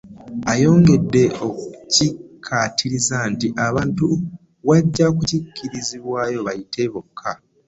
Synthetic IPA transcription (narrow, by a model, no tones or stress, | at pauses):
ajo̞ːŋɡe̞dːe̞okuucikʰːatʰiɾizantiʔaβaːntu | βaɟːakucikʰːiɾiziβwaːjo̞βajitʰe̞βo̞kʰːa